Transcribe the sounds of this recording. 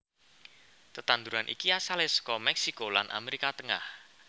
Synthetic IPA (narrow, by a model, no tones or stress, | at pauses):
t̪ət̪and̪uɾanʔḭkiasalɛskɔmɛksikola̰nʔa̰meɾikat̪əŋa̰h